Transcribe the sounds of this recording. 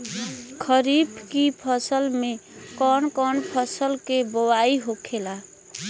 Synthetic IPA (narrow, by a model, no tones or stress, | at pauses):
kʰəɾibkipʰəsəlmekɔnkɔnpʰəsəlkeboaiɦokʰela